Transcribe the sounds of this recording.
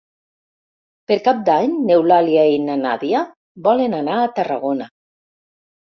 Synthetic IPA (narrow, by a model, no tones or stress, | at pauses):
peɾkap̚d̪aɲnewlaljainana̰ðia | bɔlenanaːt̪araɣona